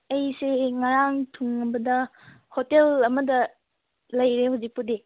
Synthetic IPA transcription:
ɐjseŋaɾaŋtʰuŋɐbɐdɐ | hotelɐmɐdɐ | lɐjɾehuzik̚pude

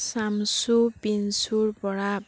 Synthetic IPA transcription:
samsubinsuɾpɔɽa

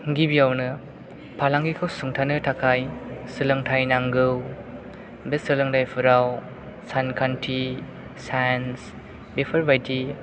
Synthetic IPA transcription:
ŋɡibiawnɯ | pʰalaŋɡikʰɯwsuŋtʰanɯtʰakʰajsɯlɯŋtʰajnaŋɡɯw | besɯlɯŋtʰajpʰɯɾaw | sankʰantʰi | sajns | bepʰɯɾbajti

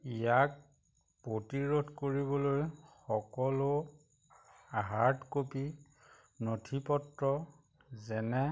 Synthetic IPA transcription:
ijak̚ | pɹotiɹodʱkoɹibɔlojxɔkɔlʊ | aɦaɹtkopi | notʰipɔtɹɔ | zɛnɛ

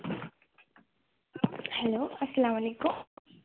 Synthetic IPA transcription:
heloːɐsɐlamɐlekum

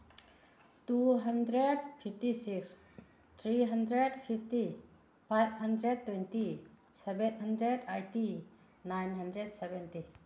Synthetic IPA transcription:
tuɦəndɾed̚pʰip̚ʰtisiks | t̪ʰɾiɦəndɾedpʰip̚ʰti | pʰajb̚həndɾed̚tːwɛjntisebenɦəndɾedajti | najnɦɐndɾed̚sebɛnti

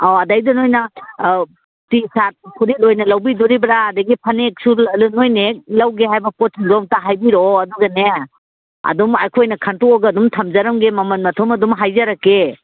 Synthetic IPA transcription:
aɐdajdɐnojnɐ | tisat̚kʰuɾilojnɐlawbiduɾibɾaːdaɡipʰɐnek̚sulunojnek̚lawɡeɦajbɐpɔtʰizɔŋtaɦajbiɾoɐduɡɐne | ɐ̰dumajkʰojnɐkʰantɔɔɡɐːdumtʰɐmzaɾɐmɡemɐmɐnmɐtʰɔmɐdumɦajzaɾakːe

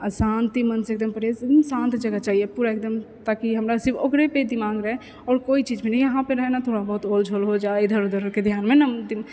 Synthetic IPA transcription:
sãnt̪imənseːk̚d̪əmpəɽed̪msãːnt̪d͡ʒəɡət͡ʃaːɦijepuːɾaek̚d̪əm | t̪aːkiɦəmɾasɪɾbʰokɾeped̪imãːɡɾəɦɛ | ɔːɾkoːit͡ʃiːd͡ʒmeniəɦãpeɾəɦenat̪ʰoːɽabəɦʊt̪oːld͡ʒʱoːlɦod͡ʒaːed̪ʱəɾod̪ʱəɾoked̪ʱjaːnmẽnəd̪ɪ

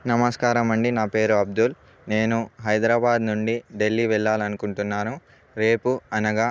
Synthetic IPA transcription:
nɐmɐskaːɾɐmɐɳɖinaːpe̞ːɾuɐb̚d̪ul | ne̞ːnuɦɐjd̪ɾaːbaːd̪nuɳɖiɖe̞lːiːʋɛɭːaːlɐnukuɳʈunːaːnu | ɾe̞ːpuɐnɐɡaː

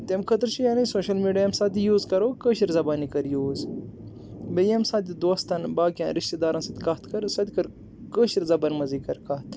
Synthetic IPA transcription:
t̪emkʰɐt̪ɾt͡ʃʰijaːnisoːʃɐlmiːɖijɐmsat̪̬ijuːzkɐɾoːkəʃiɾzɐbaːnikɐɾjuːz | bejɐmsat̪̬id̪oːst̪ɐnbaːkʲjã̰ːnɾiʃt̪ed̪aːɾɐnsɐt̪kɐɦt̪kɐɾsɐt̪ikɐɾ | kəːʃiɾzɐbɐnmɐzikɐɾkɐht̪

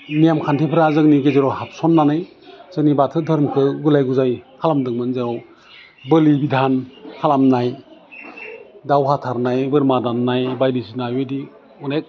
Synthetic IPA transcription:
nijamkʰantʰipʰɾazɯŋniɡezeɾɔhap̚sɔnːanaj | z̥ɯŋnibatʰɯdʱɯɾmkʰɯɡulajɡuzajhʰalamdɯŋmɯnzeɾɔw | bɯlibidʱanhʰalamnaj | dawɦatʰaɾnajbɯɾmadanːajbajdisinajɯdi | unek̚

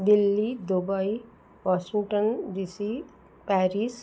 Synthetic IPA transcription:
d̪ilːid̪obaj | ʋɔʃiŋʈənɖisi | pæɾis

